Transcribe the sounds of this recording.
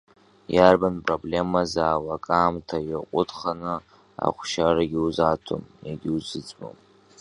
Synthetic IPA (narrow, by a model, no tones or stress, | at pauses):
jarbanpʼroble̞mazaːwakʼaːmtʰajɪqʷʼʊdχanɨ | a̰χʷʃaraɡʲiuzatʰo̰mjaɡʲiuzɨt͡sʼbo̰m